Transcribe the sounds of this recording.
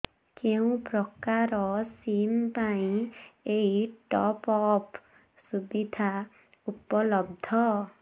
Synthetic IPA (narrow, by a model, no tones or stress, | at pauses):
keũprɔkaɾɔsimpaĩeiʈɔpɔp | subid̪ʱa | upɔlɔb̚d̪ʱɔ